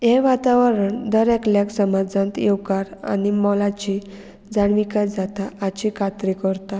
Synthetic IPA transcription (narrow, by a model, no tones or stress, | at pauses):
jɛʋat̪aʋəɾəɳd̪əɾɛkljaksəmad͡zãnt̪jewkaɾa̰nimɔlat͡ɕi | d͡zaɳʋikasd͡zat̪aːt͡ɕikʰat̪ɾikəɾt̪a